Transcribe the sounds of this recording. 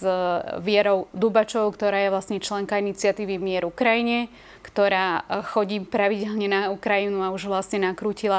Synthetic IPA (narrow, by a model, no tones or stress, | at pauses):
ʋɪɛɾɔʊd̪ubat͡ʃɔʊkt̪ɔɾaːjɛʋlasɲɛt͡ʃlɛŋkainit͡sɪat̪iːʋimɪɛɾukɾajiɲɛ | kt̪ɔɾaːxɔɟiːpɾaʋiɟɛlɲɛnaukɾajinuauʒʋlasɲɛnakɾuːcila